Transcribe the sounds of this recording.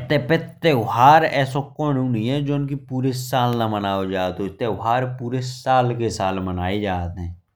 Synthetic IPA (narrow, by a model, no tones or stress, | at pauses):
t̪eːpet̪ːeːʊɦaːɾɛːsõkõːnũːniːɛ̃ːd͡ʒoːnkipuːɾesaːlnãmənaːod͡ʒaːt̪õt̪ːeːʊɦaːɾpuːɾesaːlkesaːlmənaːed͡ʒaːt̪ɦɛ̃ː